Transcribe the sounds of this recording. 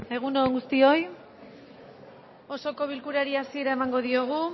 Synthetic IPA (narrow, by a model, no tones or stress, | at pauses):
e̞ɣ̞unoŋɡust̪io̞j | o̞so̞ko̞β̞ilkuɾaɾiasie̞ɾae̞maŋɡo̞ðio̞ɣ̞u